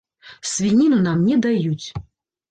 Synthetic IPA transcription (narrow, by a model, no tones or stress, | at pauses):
svʲinʲinunamnʲɛd̪ajut͡sʲ